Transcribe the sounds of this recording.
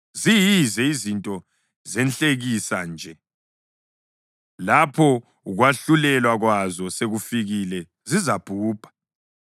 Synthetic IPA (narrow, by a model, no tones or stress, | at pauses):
zijizɛizintʼɔ | zɛnt͡ɬʼeɣisand͡ʒʱɛ | lapʰɔ | uɣwaɬulɛlwaɣwazɔseɣufiɣilɛ | zizab̥ʱuːb̥ʱʼḁ